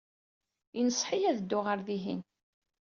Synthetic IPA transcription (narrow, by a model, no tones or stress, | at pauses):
inəsˤħijæðəd̪ːʊʁəɾðiɦin